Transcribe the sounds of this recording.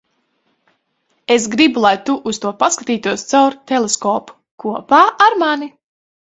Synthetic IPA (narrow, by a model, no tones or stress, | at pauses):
esɡɾibulˠajt̪uʔust̪uɔpaskat̪iːt̪uɔst̪sawɾt̪ɛlˠeskɔːpu̥ | kuɔpaːaɾmani